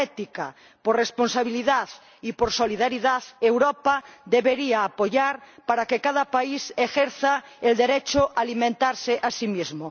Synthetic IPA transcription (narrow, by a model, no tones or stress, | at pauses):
ɛt̪ika̰ | poɾresponsaβiliðað | ipoɾsoliðaɾiðaðewɾopad̪eβeɾiaːpoʎaɾpaɾakekaðapaisexeɾθaeld̪eɾet͡ʃoʔaːlimẽnt̪aɾseʔasimizmo